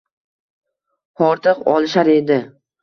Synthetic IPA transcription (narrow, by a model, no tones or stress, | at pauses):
ɒɾt̪ʰɨqɒ̰lˠɪʃaɾe̞d̪ɪ